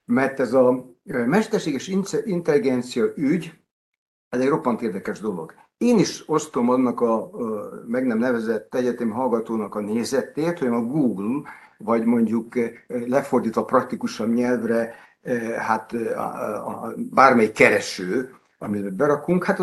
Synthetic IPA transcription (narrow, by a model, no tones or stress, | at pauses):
mɛrt̪ɛzɒmɛʃt̪ɛrʃeːɡɛʃinint̪ɛliɡɛnt̪sijɒʔyɟ | ɛzɛɟro̞pːɒnt̪eːrd̪ɛkɛʒd̪o̞lo̞̰ɡ | eːniʃo̞st̪o̞mɒnːɒkɒ | mɛɡnɛmnɛvɛzɛt̪ːɛɟɛt̪ɛmiɦɒlɡɒt̪oːnɒkɒneːzɛt̪eːt̪hojnɒɡuːɡl | vɒɟmo̞ɲɟuklɛfo̞rd̪iːt̪ʋɒprɒk̚t̪ikuʃɒbɲɛlvrɛ | hat̪ | baːrmɛjikːɛɾɛʃøː | ɒmibɛbɛɾɒkuŋkhat̪